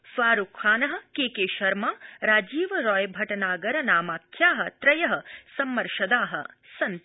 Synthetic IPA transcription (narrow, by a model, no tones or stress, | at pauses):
sʋaːɾukʰaːnɐɦɐ̆keːkeːʃɐɾmaːɾaːd͡ʒiːʋɐɾɔːjbʱɐʈɐnaːɡɐɾɐnaːmaːkʰjaːɦɐ̆t̪ɾɐjɐɦɐ̆sɐmːɐɾʃɐd̪aːɦɐ̰̆ | sɐn